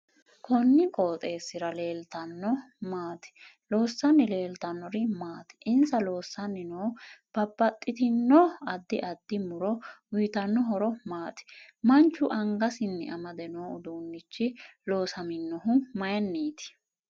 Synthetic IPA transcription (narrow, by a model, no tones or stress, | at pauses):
kʰɔnːɪkʼoːt̪ʼe̞ːsːɪɾɐle̞ːlt̪ɐnːɔmaːt̪ɛ̥ | lo̞ːsːɐnːɪle̞ːlt̪ɐnːɔɾɪmaːt̪ɪ̥ʔɪnsɐlo̞ːsːɐnːɪnoːb̥ɐbːɐt̪ʼːɪt̪ɪnːɔɐd̪ːɪʔɐd̪ːɪmʊɾɔwʊjt̪ɐnːɔɦɔɾɔmaːt̪ɪ̥ | mɐnt͡ʃːʊʔɐŋɡɐsɪnːɛ̰ʔɐmɐd̪ɛnoːʊd̪uːnːɪt͡ʃːɪlo̞ːsɐmɪnːɔɦʊmɐjɐnːiːt̪ɪ̥